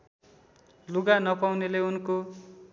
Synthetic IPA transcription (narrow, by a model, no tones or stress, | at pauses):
luɡanʌpawneleunko